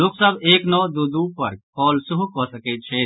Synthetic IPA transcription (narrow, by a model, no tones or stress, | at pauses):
loksəbeːknɔːd̪uːd̪uːpɐɾkɔːlsʊɦukɔːsəket̪̚t͡ʃʰeː